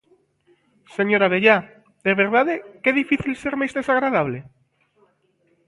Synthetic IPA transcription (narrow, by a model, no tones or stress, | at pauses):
seɲoɾaβeʎa | d̪eβeɾð̞aðekeðifiθilseɾmejzðesaɣɾað̞aβ̞le